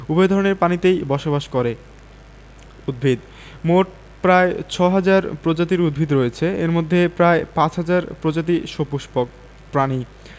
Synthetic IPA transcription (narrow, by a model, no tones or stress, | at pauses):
ubɔed̪ʱɔɾoneɾpanit̪ejbɔʃobaʃkoɾe | ud̪̚bʱid̪ | moʈ | pɾaet͡ɕʰɔɦad͡ʑaɾpɾod͡ʑat̪̬iɾud̪̚bʱid̪ɾoet͡ɕʰeeɾmod̪ʱːepɾaepãt͡ɕɦad͡ʑaɾpɾod͡ʑat̪̬iʃopuʃpo | pɾani